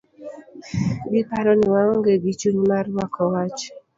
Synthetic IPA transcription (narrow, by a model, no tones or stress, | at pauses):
bipaɾɔniwaŋɔŋɡeɡit͡ʃunmaɾwakɔwat͡ʃ